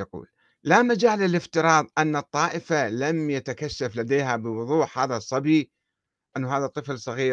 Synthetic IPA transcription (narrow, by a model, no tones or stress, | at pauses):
aqṵːl | lamad͡ʒaːlːɪlɪft̪ɪɾˤɑːðˤʔanːɨt̪ˤːɑːʔɪfalamjat̪akaʃːaflad̪eːɦabɪwʊðˤuːħhaːðasˤːɑbi | ʔɪnːʊɦaːðat̪ˤːɨflsˤɑɣiː